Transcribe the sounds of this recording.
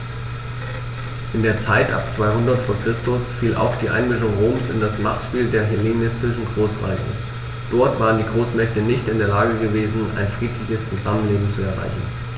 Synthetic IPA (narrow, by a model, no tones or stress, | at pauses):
ʔɪndeːɐt͡saɪtʔa̰p̚t͡sv̥aɪhʊndɐtfoːɐkʁ̥ɪstʊsfiːlʔa̰ʊxd̥iːʔa̰ɪnmɪʃ̬ʊŋʁoːmsɪ̰ndasmaχtʃpiːldeːɐɦɛlenɪstɪʃn̩ɡʁoːsʁa̰ɪçə̰ | d̥ɔɐtv̥aːʁ̞əndiːɡʁoːsmɛçtənɪçtɪndeːɐlaːɡəɡəveːzn̩ʔa̰ɪnfʁ̥iːtʰlɪçəst͡suzamənleːbm̩t͡suɛɐʁa̰ɪçn̩